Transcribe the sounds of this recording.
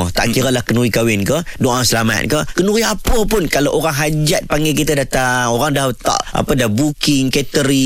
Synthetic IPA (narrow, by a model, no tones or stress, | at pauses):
ət̪a̰ʔkiɾəlahkənuɾikawɪnkədoʔasəlama̰t̪̚kəkənuɾiapəpʊnkalaʔoɾaŋɦad͡ʒat̪̚paŋɡak̬it̪adat̪aŋoɾaŋdaht̪a̰ʔʔa̰pədabukɪŋkɛt̪əɾi